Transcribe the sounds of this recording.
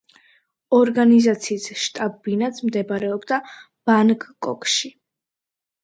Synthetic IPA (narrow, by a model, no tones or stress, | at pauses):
ɔɾɡanizat̪sʰiːsʃt̪ʼabːinat̪sʰmd̪ɛbaɾɛɔbd̪a | b̥ankʰʼkʼɔ̰kʰʼʃi